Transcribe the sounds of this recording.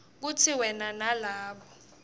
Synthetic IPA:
k̬utʰiwɛnanalaːɓɔ

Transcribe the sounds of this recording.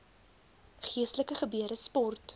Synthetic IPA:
χiəstləkəχəbyəɾəspɔrt

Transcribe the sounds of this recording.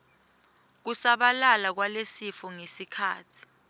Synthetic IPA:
k̬usaɓalalak̬walesifɔŋesikʰa̰ːtʰi̥

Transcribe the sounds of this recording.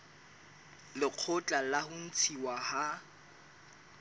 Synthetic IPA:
lɪq͡χʰʊt͡ɬʼalahʊn̩t͡sʰiwaha

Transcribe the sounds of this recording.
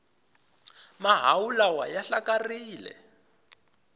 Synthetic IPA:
maɦawulawajaɬakariːlɛ̰

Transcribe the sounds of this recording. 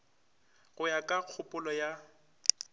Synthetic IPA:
ɣʊjakʼaq͡χʰʊpʼʊlɔja

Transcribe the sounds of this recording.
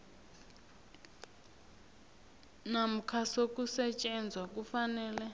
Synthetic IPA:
nam̩kʰasokusɛt͡ʃʼɛnd͡zʱwak̬ʼufanɛːlɛ

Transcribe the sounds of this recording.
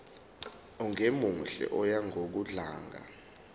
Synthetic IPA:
ɔŋemunɬɛ̰ʔɔjaŋʱok̬uɮaːŋa̰

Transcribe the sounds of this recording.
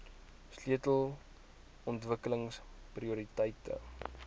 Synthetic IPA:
sliətəlˠ | ɔntvəkələŋs | priuɾitəjtə̰

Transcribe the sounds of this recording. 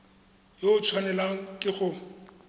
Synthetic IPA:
joʊt͡sʰwanɛlakʼɪχʊ

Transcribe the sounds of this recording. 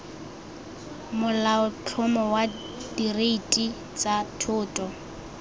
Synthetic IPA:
mʊlaʊt͡ɬʰʊmɔwa | direitʼi | t͡sʼatʰʊːtʼɔ

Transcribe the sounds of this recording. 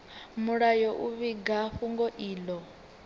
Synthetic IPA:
muɺajɔʔuβiɡaɸuŋɡɔʔiːlɔ

